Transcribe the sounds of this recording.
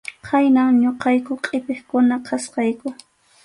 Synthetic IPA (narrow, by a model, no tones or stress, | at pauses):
kʰajnaŋɲoqɑjkʊqʼɪpeχkʊnaqʰɑsqɑjkʊ